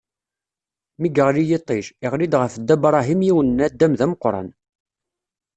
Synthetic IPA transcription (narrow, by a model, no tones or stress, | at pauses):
miɡəʁlijit̪ˤːiʃɪʁlid̪ʁəfd̪ːæbɾˤɑɦimjiwənːæd̪ːæmðæməqːɾˤɑ̰n